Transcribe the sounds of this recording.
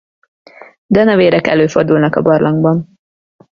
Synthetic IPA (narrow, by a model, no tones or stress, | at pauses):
d̪ɛnɛveːɾɛkɛ̰løːfo̞rd̪ulnɒkɒbɒrlʔɒŋɡbɒn